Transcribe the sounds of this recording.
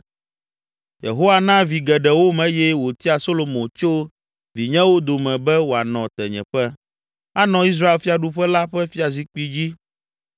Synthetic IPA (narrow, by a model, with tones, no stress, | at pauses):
jḛ˨ɦo˦wa˨nã˦vi˨ɡɛ˨ɖɛ˨wo˦mɛ̃˦jɛ˦wo˨t̪i˦a˨so˦lo˨mõ˨t͡ʃo˦ | vi˨ɲɛ̃˦wo˦d̪o˨mɛ̃˨bɛ˦wo˨a˨nɔ̃˨t̪ɛ˨ɲɛ̰̃˨ɸɛ˦ | a˦nɔ̃˨i˦s̬ɾa˦e˨lfi˦a˨ɖu˦ɸɛ˦la˦ɸɛ˦fi˦a˨zi˦k͡pi˦d͡ʑi˦